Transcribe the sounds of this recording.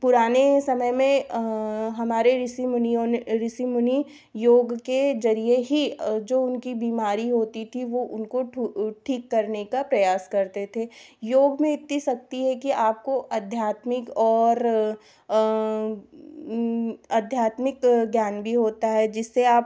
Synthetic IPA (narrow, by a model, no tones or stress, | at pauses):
pʊɾaːnesɐməjmẽ | ɦɐmaːɾeɾɪsimniɾɪsimʊni | joːɡked͡ʒɐɾieɦid͡ʒoːʊnkibiːmaːɾiɦoːt̪it̪ʰiʋoʔʊnkoʈʰiːkːɐɾnekapɾɐjaːskɐɾt̪et̪ʰeːjoːɡmẽɪt̪ːisɐk̚t̪iɦɛkiaːp̚koʔɐd̪ʱjaːt̪mɪkɔːɾ | ɐd̪ʱjaːt̪mɪkɡjaːnbʱiɦoːt̪aɦɛd͡ʒɪsːeaːp̚